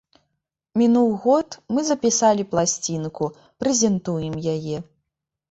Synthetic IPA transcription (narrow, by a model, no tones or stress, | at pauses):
mʲinuwˠɣɔt̪mɨzɐpʲisalʲiplˠasʲt͡sʲinku | pɾɛzʲɛnt̪ujɛmjajɛ